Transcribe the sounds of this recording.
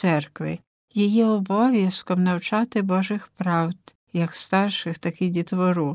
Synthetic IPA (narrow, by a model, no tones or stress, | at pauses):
sɛrkʋɪ̰ | jijɛɔbɔʋʲjɐskɔmnɐwt͡ʃɑt̪ɪbɔʒɪxpɾɑwd̪ | jɐkst̪ɑrʃɪxt̪ɐkɪdʲit̪ʋɔɾu